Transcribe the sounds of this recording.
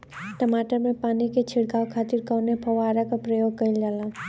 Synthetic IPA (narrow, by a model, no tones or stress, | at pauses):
ʈəmaːʈəɾmẽpaːniket͡ʃʰɪɽkaːʋkʰaːt̪ɪɾkaːnepʰɐʋaːɾakapɾəjoːɡ̚kəild͡ʒaːla